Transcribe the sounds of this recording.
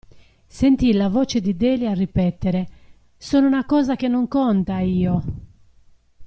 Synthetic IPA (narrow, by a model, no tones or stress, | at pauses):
sent̪ilavoːt͡ʃed̪id̪eːliarːipɛt̪ːeɾe | soːnounakɔːzakenːoŋkɔnt̪aiːo